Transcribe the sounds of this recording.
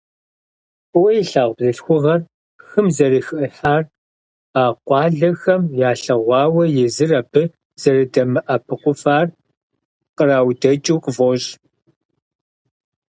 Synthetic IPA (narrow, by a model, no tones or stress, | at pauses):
pɨwɐjɪɬaːʁʷbzɨɬxʷʊʁɐr | xɨmzɐrɨxɨʔəħaːr | aːqʷɑːɮɐxɐmjaːɬɐʁʷɑːwɐjɪzɨrɐbʰɨ | z̥ɐrɨdɐmɨʔɐpʰɨqʷʊfaːr | qəraːwdɐt͡ʃʼuwqʼvoɕʼ